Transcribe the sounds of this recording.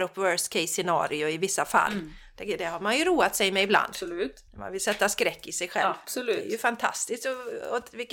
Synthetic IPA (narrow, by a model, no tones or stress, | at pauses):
ɾɔpːvœːskʰɛɪsɛnɑ̰ːɾɪʊɪvɪsːafa̰lːd̪ɛd̪ɛhaɾmanjɵɾuːat̪sɛjmɛɪbla̰nd̪ | ma̰nvɪlsɛt̪ːaskɾɛkːɪsɛjɧɛ̰vsɔlʉɛ̰jɵfant̪ʰa̰st̪ɪskt̪ɔɔt̪vɪkː